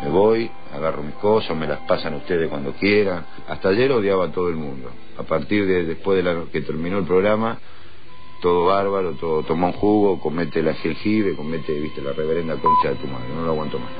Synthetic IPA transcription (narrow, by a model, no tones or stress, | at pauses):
meβoj | a̰ɣaromihkosamelaspasanaust̪eðehkwand̪o̞kjeɾan | a̰ht̪aʒeɾoðjaβat̪o̞ð̞oelmũnd̪o̞ | apaɾt̪iɾðeðehpwe̞ɦðelanoket̪eɾmĩno̞elpɾo̞ɣɾama | t̪oðoβaɾβaɾot̪oðot̪omauŋxuɣoko̞met̪elaxeŋxiβeko̞met̪eβiht̪elareβeɾe̞nd̪ako̞nt͡ʃaðet̪umaðɾenoloaɣwant̪omas